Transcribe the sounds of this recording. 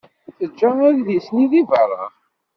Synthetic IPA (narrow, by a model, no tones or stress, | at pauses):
θəd͡ʒːææɾðisniðivərˤːɑ̰